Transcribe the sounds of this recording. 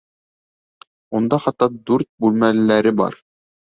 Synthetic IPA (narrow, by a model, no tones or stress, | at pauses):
und̪ɑχɑt̪ːɑd̪ʉɾt̪̚bʉlmælːæɾɘbɑ̰ɾ